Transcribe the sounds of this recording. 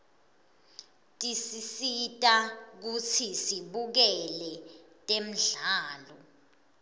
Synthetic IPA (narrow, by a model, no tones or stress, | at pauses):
tʼisisitʼak̬ut͡sʰisiɓuk̬ɛlɛtʼem̩ɮaːlɔ